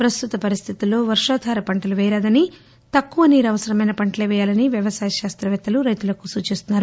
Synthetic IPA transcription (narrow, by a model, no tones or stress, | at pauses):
pɾɐst̪ut̪ɐpɐɾist̪ʰit̪ulːo̞ːʋɐɾʂaːd̪ʱaːɾɐpɐɳʈɐluʋɛːɾaːd̪ɐni | t̪ɐkːuʋɐniːɾɐʋɐsɐɾɐmɐjnɐpɐɳʈɐleːʋɛːjaːlɐniʋjɐʋɐsaːjɐʃaːst̪ɾɐʋɛt̪ːɐluɾɐjt̪ulɐkusuːt͡ʃist̪unːaːɾu